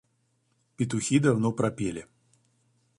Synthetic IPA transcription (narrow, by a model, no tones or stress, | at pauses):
pʲit̪uxʲid̪awnɔpɾapʲelʲi